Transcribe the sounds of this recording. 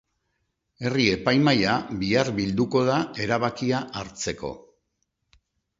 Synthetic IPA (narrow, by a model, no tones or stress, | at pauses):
e̞rie̞pajmajabiaɾbild̪uko̞ðae̞ɾaβakiaʔaɾt͡se̞ko̞̰